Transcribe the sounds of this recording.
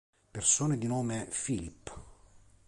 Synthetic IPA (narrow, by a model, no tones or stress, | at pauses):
persoːned̪inoːmefilip